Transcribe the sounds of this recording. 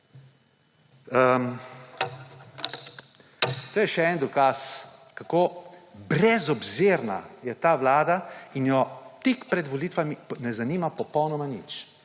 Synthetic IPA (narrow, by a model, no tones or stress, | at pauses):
əm | t̪oːjɛʃɛɛnd̪ɔkaskakoːbɾɛzɔbzeɾna̰jɛt̪aːʋlaːd̪ainjɔt̪ikpɾɛd̪ʋɔlit̪ʋaminɛzaniːmapɔpɔwnɔmanit͡ʃ